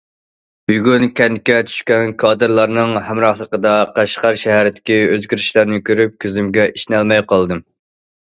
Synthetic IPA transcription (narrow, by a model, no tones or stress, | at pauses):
b̥yɡʲynkʲʰɛnd̪ɪkʲɛt̪ʰy̥ʃkʲɛnkʰɑːd̪ɨɾlˠɑɾnɨŋhæmɾɑχlˠəqəd̪ɑqʰæʃqɑɾʃɛɦæɾɪt̪ʰɪ̥kʲiøzɡʲyɾiʃlæɾnɪkʲʰøɾyp̚kʲʰyzymɡʲɛʔiʃnælmɛjqʰɑlˠd̪ɨm